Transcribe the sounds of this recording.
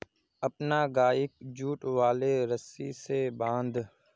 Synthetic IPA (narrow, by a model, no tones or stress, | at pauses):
əpnaːɡaːɪk̚d͡ʒuːʈʋaːleːɾəsiːseːbãːnd̪